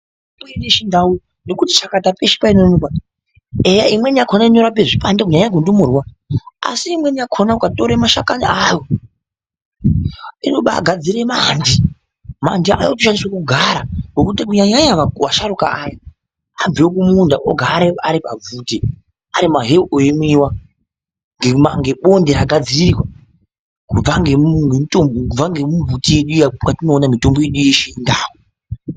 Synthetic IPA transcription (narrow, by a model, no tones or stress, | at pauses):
puineʃindau | no̞kutit͡ʃakatapeʃi̥painonoka | ejaimwe̞nakʰonaiɲo̞ɾapeʐipandek̬uɲaɲakundumurwa | a̰siːmwe̞niakʰonaukatoɾemaʃakaniajo | inoɓa̰ɡʱad͡ziɾemandi | mandia̰jotiʃaniswakuɡʱaɾaŋokutikuɲaɲaɲaʋaʋaʃaɾuka̰ːja | ab͡vewokumundaʔo̰ɡʱaːɾeaɾipavuti | aɾimaɦeʔojemiwa | ŋɡemaŋɡe̞ɓo̞ndeɾaɡʱad͡ziririwa | kub͡vaŋɡeŋɡemitombokub͡vaŋɡemuvutije̞ɗujakwatino̞ːnamito̞mbo̞je̞ɗujeʃeindaːwo